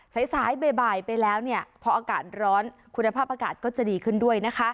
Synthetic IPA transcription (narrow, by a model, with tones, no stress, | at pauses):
sa˩˦jsaː˩˦jbeː˧baː˨˩jpa˧jlɛː˦˥wni˥˩ɐpʰɔ˧ʔaː˧ka̰ː˨˩t̪̚ɾɔː˦˥nkʰu˧nːa˧pʰaː˥˩p̚ʔaː˧ka̰ː˨˩t̪̚kɔː˥˩t͡ɕa˨˩diː˧kʰɯ˥˩ndu˥˩əjna˦˥kʰa˦˥ʔ